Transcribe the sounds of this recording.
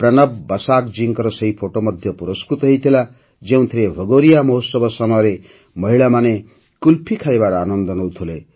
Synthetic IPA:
prʌnʌbbʌsakd͡ziŋkʌɾʌsʌipʰoʈomʌd̪ʱjʌpuɾʌskɾut̪ʌɦijt̪ʰila | d͡ʒew̃t̪ʰiɾebʱʌɡoɾijamʌɦosʌbʌsʌmaɾe | mʌɦiɭamane | kulpʰikʰajbaɾanʌnd̪ʌnʌwt̪ʰule

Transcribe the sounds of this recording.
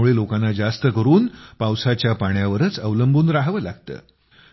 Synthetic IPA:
uɭelokanːad͡zast̪əkəɾuːnpawsat͡ɕjapaɳjaʋəɾət͡səʋləmbʱuːnɾaɦʋəːlaɡt̪ə̰ː

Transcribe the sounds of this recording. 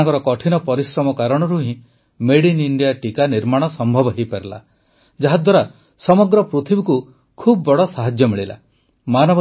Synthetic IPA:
ŋkɔɾɔkɔʈʰinɔpɔɾisɾɔmɔkaɾɔɽ̃ɔɾuɦĩ | meɽiniɳɖijaʈikaniɾmaɽ̃ɔsɔmbʱɔbɔɦejpeɾla̰ | d͡ʒaɦad̪waɾa | sɔmɔɡɾɔpɾut̪ʰibiku | kʰubɔbɔɽɔsaɦad͡ʒjɔmiɭila̰ | manɔb

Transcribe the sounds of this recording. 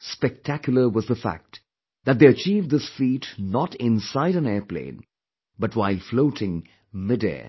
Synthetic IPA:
spɛk̚tʰækjʊl̩ˠə˞wʌzðəfæ̰k̚t | ðæt̚d̪eːət͡ʃivd̪ɪsfiːtnɔɾɪ̃nsaɪɾə̃nɛɹplḛ̃ɪ̃n | bʌtwaɪlfloʊɾɪ̃ŋ | mɪdɛ̰ə

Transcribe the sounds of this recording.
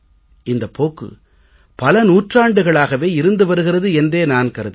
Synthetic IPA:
ɪnd̪ɐpːoːkːɯ̰ | pɐlɐnuːʈraːɳɖɯɣɐɭaːɣɐʋeːɪɾɯnd̪ɯʋɐɾɯɣɪrɐðɯɛndreːnaːnkɐɾɐð

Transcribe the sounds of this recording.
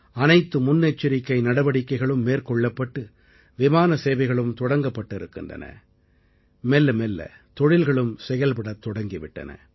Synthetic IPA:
ɐnɐɪt̪ːɯmʊnːet͡ʃːɪɾɪkːɐɪnɐɽɐʋɐɽɪkːɐɪɣɐɭɯmːeːɾkɔɭːɐpːɐʈːɯ | ʋɪmaːnɐseːʋɐɪɣɐɭɯmt̪ɔɽɐŋɡɐpːɐʈːɪɾɯkːɪ̰ndrɐ̰nɐ̰ | mɛlːɐmɛlːɐ̰ | t̪ɔɻɪlɣɐɭɯmsɛjɐlpɐɽɐt̪ːɔɽɐŋɡɪʋɪʈːɐ̰nɐ̰

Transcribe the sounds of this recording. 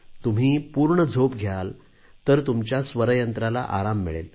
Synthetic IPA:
t̪um̤iːpuːɾɳəd͡zʱop̚ɡʱjal | t̪əɾt̪umt͡ɕjasʋəɾəjənt̪ɾala̰ʔaɾamːḭɭḛl

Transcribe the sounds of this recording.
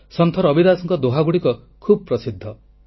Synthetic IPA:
sɔnt̪ʰɔɾɔbid̪asɔŋkɔd̪oɦaɡuɽikɔ | kʰubɔpɾɔsid̪ʱːɔ

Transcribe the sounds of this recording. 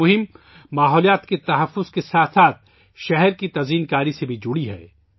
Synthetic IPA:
ʊɦɪm | maːɦɔːlijaːt̪ket̪ɐɦɐfːʊz̥kesaːt̪ʰsaːt̪̚ʰ | ʃɛɦɛɾkit̪ɐziːnkaːɾisebʱid͡ʒʊɽiɦɛ̰ː

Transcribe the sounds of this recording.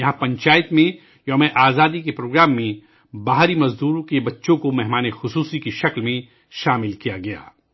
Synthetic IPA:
jɐɦãpɐ̃ɲt͡ʃaːjɪt̪mẽ | jɐːmẽʔaːzaːd̪ikepɾoːɡɾaːmːẽ | baːɦɾimɐzd̪uːɾõkebɐtːʃõkomɛɦmaːnexʊsuːsikiʃɐklmẽ | ʃaːmɪlkijaɡɐja̰ː

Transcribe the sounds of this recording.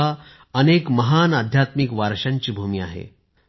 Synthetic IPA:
a | ənekməɦanəd̪ʱjat̪mikʋaɾɕãɲt͡ɕiːbʱumiːa̰ɦḛ

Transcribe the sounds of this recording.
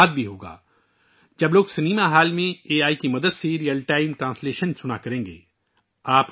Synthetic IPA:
d̪̚bʱiɦoːɡa̰ː | d͡ʒɐbloːɡsɐniːmaɦaːlmẽeːaːikimɐd̪əd̪seɾijəlʈaːɪmʈɾãːnsleːʃənsʊnakɐɾẽːŋɡḛː | aːp

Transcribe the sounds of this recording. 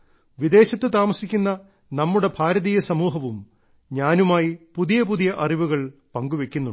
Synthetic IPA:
ʋid̪e̞ːɕɐt̪ːɨt̪aːmɐsikʲːunːɐ | nɐmːuɽe̞bʱaːɾɐðijɐsɐmuːɦɐʋum | ɲaːnumaːjipuðijɐpuðijɐʔɐriʋuɣɐɭpɐŋɡuʋekʲːunːu

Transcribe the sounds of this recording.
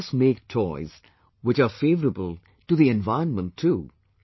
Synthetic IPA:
smeːk̚tʰɔɪz̥ | wɪt͡ʃəfeːvəɾəbəlˠ | tuðiɛ̃nvaɪə̃nmə̃ntʰːu

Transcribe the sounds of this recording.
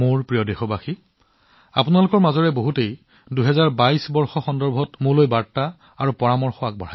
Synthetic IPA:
muɹpɹijɔdexɔbaxi | a̰pʊnalʊkɔɹmazɔɹɛboɦutej | duɦɛzaɹbajsbɔɹxɔxɔndɔɹbʱɔtmulojbaɹta | aɹupɔɹamɔɹxɔak̚bɔɹ̤a

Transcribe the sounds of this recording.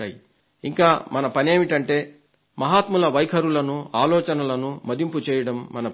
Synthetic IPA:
aːji | iŋkaːmɐnɐpɐnieːmiʈɐɳʈe̞ː | mɐɦaːt̪mulɐʋɐjkʰɐɾulɐnuaːlɔːt͡ʃɐnɐlɐnumɐd̪imput͡ʃɛːjɐɽɐmːɐnɐ

